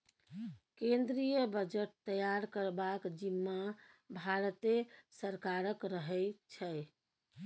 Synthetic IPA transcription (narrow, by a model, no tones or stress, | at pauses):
kẽnd̪ɾijəbəd͡ʒəʈ̚t̪əjaɾkəɾbakd͡ʒimːabʱaɾt̪esəɾkaɾəkɾəɦɛt͡ʃʰɛ